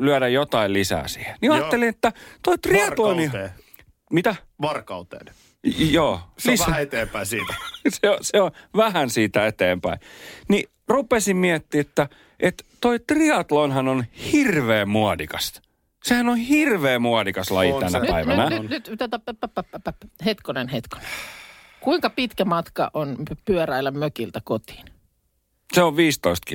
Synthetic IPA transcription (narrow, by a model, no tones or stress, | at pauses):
lyæɾæjjot̪ɑillisæ̰ːsiːheniɑːtːelinet̪ːæt̪oit̪riɑloneː | mit̪æ | ʋɑrkɑut̪ḛːn | joːsiset̪eːmpæisiːt̪æseoseoʋæhænsiːt̪æet̪eːmpæ̰ini | rupesimmiæt̪ːiːet̪ːæ | ʔet̪t̪oit̪riɑt̪lonhɑnonhirʋeːmmuɑdikɑs | sehænonhirʋeːmuɑdikɑslɑjit̪ænæpnæiʋænænnyt̪t̪æt̪æpæpːæpːæpːæpːphet̪konenhet̪ko̥ne̥ | kuiŋkɑpit̪kæmɑt̪kɑ̰ʔonpyœræilːˑæmøkilt̪ækot̪i̥ːn | seoʋʋiːst̪oist̪̚ki